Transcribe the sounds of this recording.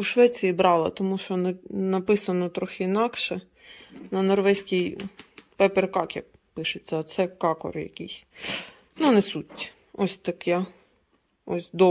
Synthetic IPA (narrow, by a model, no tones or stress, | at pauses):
uʃʋɛt͡sʲijibɾɑlˠɐt̪ɔmuʃt͡ʃɔnɐnɐpɪsɐnɔt̪ɾɔxʲɪinɑkʃɛ | nɐnɔrʋɛsʲkʲijpɛpɛrkɑkjɐ̰k̚ | pɪʃɪt͡sʲːɐːt̪sɛkɑkɔ̰rjɐ̰kʲijsʲ | nunɛsutʲː | ɔsʲt̪ɐkjɛ | ɔ̰sʲd̪ɔ